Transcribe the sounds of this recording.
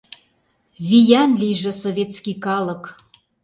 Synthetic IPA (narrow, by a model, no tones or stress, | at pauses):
vijænlʲijʒɘ̆sovʲet̪skikɑlɤ̆k